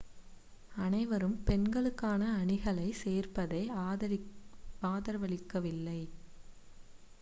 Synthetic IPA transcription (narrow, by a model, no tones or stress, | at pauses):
ɐnɐɪʋɐɾɯmpɛnɡɐɭɯkːaːnɐːɳɪɣɐɭɐɪseːrpɐðɐɪ | aːðɐɾʋɐɭɪkːɐʋɪlːɐɪ